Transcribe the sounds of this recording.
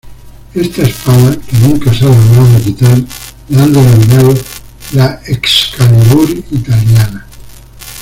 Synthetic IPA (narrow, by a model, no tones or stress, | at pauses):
est̪aespanakenũŋkasaloɣɾaðoekit̪aɾ | land̪enominaðo | laekskalaðuɾit̪aljana